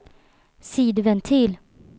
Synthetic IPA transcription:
siːd̪vɛnt̪ʰiːl

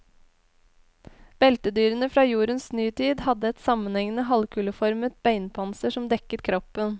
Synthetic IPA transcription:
b̥ɛlt̪əd̪yːɾənəfɾɑːjuːɾənsnyːt̪ʰiːd̪hɑd̪əɛt̪sɑmənɛŋnəɦɑlkʰʉːləfɔɾmət̪̚bæɪnpʰɑnsəʂɔmd̪ɛkət̪kʰɾɔpən

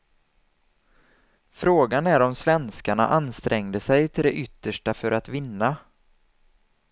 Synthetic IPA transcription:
fɾoːɡanæɾɔmsvɛnskaɳa̰ʔanst̪ɾʔɛŋd̪əsɛjt̪ʰɪld̪ɛʔʏt̪ːəʂʈafœɾʔat̪vɪnːa

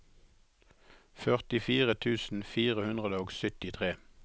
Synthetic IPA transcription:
fœʁt̪ɪfiːʁət̪ʰʉːsn̩fiːʁəhʉnʁəd̪əoːɡsʏt̪ɪt̪ʰʁeː

